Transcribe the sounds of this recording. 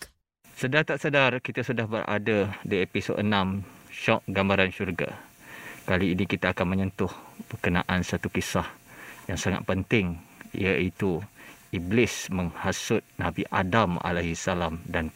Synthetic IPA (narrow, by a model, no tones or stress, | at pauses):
sədart̪aʔsədarkit̪asudahbərʔa̰dadiepiso̰d̪ənãmʃɔʔ̚ɡambaɾanʃurɡa̰ | kaliːnikit̪aːkanmə̃ɲənt̪ʊhb̥ərkənã̰ʔansat̪ukisahjaŋsaŋa̰t̪̚pənt̪ɪŋḭait̪uiblɪsməŋhasʊt̪̚nabiʔa̰dama̰laɦisalamdan